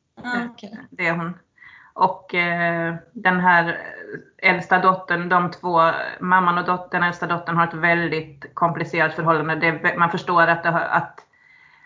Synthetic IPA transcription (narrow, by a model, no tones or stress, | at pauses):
d̪ɛæɾɦʊn | ʔɔk | d̪ɛnɦæːɾ | ɛlst̪ad̪ɔt̪ːənd̪ɔmt̪ʰv̥oːmamːanɔd̪ɔd̪ɛnɛlst̪ad̪ɔt̪ːəɳhaɾɛt̪vɛld̪ɪt̪kʰɔmplɪseːɾat̪fœɾɦɔlːand̪əd̪ɛvɛmanfœʂʈoːɾat̪̚d̪ɛɦa̰t̪